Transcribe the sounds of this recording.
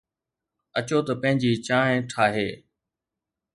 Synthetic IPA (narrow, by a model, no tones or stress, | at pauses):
ɐt͡ɕoːt̪ɐpɐ̃ɦɪ̃ɲd͡ʑiːt͡ɕãːẽʈʰaːɦeː